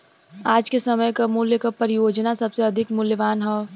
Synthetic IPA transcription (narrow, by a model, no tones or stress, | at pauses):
aːd͡ʒkesɐməjkamʊljəkapɐɾɪjoːd͡ʒnasɐbseɐd̪ʱɪkmʊljəʋaːnɦɛː